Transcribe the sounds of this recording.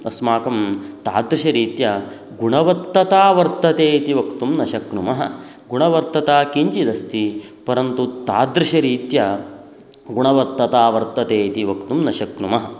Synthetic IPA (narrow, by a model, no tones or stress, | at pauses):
ɐsmaːkɐmt̪a̰ːd̪ɾiʃɐɾiːt̪jɐ | ɡuɳɐʋɐt̪ːɐt̪aːʋɐɾt̪ːɐt̪eːit̪iʋɐkt̪umnɐʃɐknumɐɦɐ̰̆ | ɡuɳɐʋɐɾt̪ːɐt̪aːkiɲt͡ʃid̪ɐst̪i | pɐɾɐnt̪ut̪aːd̪ɾɪʃɐɾiːt̪jɐ | ɡuɳɐʋɐɾt̪ːɐt̪aːʋɐɾt̪ːɐt̪eːit̪iʋɐkt̪umnɐʃɐkɾumɐɦɐ